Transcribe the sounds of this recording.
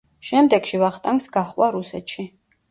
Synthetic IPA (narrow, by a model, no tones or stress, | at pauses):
ʃɛmd̪ɛɡʃivaχt̪ʼaŋksɡaχwaɾusɛt̪ʃi